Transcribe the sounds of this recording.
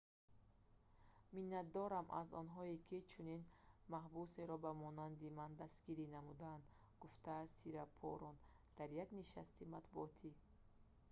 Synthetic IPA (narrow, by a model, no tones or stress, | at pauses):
minːat̪̚d̪ɔɾamʔa̰zɔ̰nɦɔikʰit͡ʃʰuninmaɦbuseɾɔbamɔnand̪imand̪asɡiɾinamud̪and̪ | ɡuft̪ʰasiɾapʰɔ̰ɾɔn | d̪̥aɾjaɡniʃa̰st̪imat̪buɔt̪ʰi